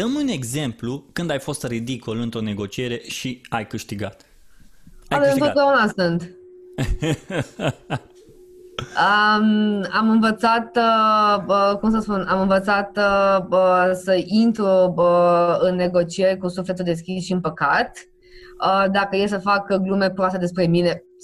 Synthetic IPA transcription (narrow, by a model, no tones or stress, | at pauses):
d̪̥əmune̞ɡze̞mplukɨnd̪ajfo̞st̪rid̪ikolɨnt̪ɾo̞ne̞ɡo̞t͡ʃie̞ɾe̞ʃiajkɨʃt̪iɡat̪ | aaaeɨnt̪od̪ʲaunasɨnd̪ | əmamɨnvət̪sat̪ | əkumsəspunamɨnvət̪sat̪əsəʔint̪ɾuəɨnːe̞ɡo̞t͡ʃieɾekusuflet̪uld̪e̞s̬kʲisʃiɨnpəkat̪ | əd̪akəjels̬əfakɡlume̞pɾoast̪ed̪e̞spɾe̞mine̞